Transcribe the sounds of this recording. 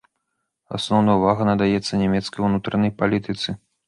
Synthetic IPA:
a̰snɔwnɐjuvaɣɐnɐd̪ajɛt̪sːɐnʲɛmʲɛt̪skɐjunut̪ɾɐnɐjpalʲit̪ɨt̪sɨ

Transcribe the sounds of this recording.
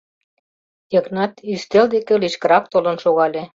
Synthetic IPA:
jə̆knɑt̪yst̪eld̪ekeliʃkə̆ɾɑk̚t̪olɤ̆nʃoɣɑlʲe

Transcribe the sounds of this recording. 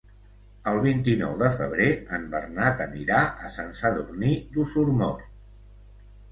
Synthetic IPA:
əlˠβ̞int̪inɔ̰wðəfə̰β̞ɾeəmbərnat̪əniɾaʔəsənsəðurnid̪usuɾmɔr

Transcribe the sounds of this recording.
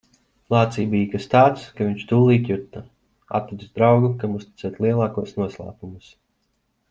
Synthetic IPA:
lˠɑːt̪siːbijkast̪aːt̪skaviɲʲt͡ʃt̪uːlˠiːt̪ʲjut̪ːɐ | a̰t̪ːid̪uzd̪ɾawɡukamust̪i̥t̪sɛːt̪ʲlˠiɛlˠɑːkuɔsnuɔslˠa̰ːpumus

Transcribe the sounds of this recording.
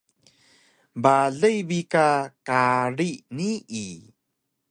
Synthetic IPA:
baɮəjbikakaɾiniʔi

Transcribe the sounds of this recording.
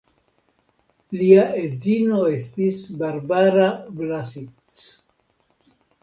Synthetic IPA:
liaʔed͡zino̞e̞stisbaɾbaɾablasit͡s

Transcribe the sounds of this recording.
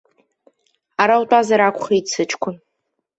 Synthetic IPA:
aɾawtʷʼazaɾakʷʰʼχeit͡sʰɨt͡ʃʰkʷʰʊn

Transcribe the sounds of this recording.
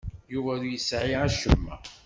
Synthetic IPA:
juvæðujəsʕiæʃəmːæ̰

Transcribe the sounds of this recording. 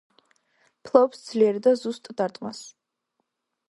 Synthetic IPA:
pʰlˠɔpsd̪z̥liɛɾd̪azust̪ʼd̪aɾt̪ʼmas

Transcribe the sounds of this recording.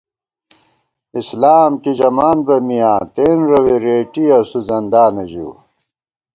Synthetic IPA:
islaːmkid͡ʑɐmaːnbɐmijãːt̪eːnɾɐweɾeːʈiɐsuzɐnd̪aːnɐʑṵː

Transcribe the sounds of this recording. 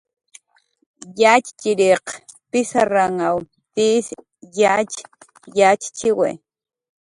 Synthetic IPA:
jat͡ʃt͡ʃiɾeqpɪsaɾaŋaw | t̪is | jat͡ʃ | jat͡ʃt͡ʃɪwḛ

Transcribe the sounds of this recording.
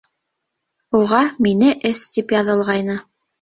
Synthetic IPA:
uʁɑminɘʔɘst̪ipjɑðɤ̆lˠʁɑjnɤ

